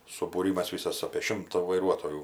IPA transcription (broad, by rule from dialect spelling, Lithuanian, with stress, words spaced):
sʊbuːˈrʲiːmɐs ˈʋʲiːsɐs ɐpʲeː ˈʃʲɪmtɐ ʋɐɪˈruɔtoːjuː